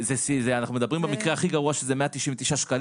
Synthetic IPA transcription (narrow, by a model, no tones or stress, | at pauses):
zesizeanaχnumed̪abʁimbemikʁeaχiɡaʁuaʃezemeat̪iʃimvet̪iʃaʃkal